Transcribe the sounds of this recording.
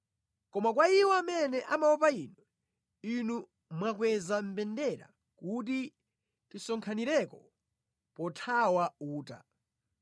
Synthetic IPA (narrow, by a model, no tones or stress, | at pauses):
kɔmakwaiwɔamɛnɛʔamaɔp̬ainɔ | inu | mwakwɛzam̩pɛndɛɾa̰ | kut̬i | tisɔŋkʰaniɾɛkɔ | pɔtʰawauːta̰